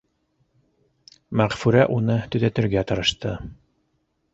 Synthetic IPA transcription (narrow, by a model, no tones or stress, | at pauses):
mæʁfʉɾæʔunɤt̪ɵ̆ðæt̪ɘ̆ɾɡæt̪ɤ̆ɾɤ̆ʃt̪ɤ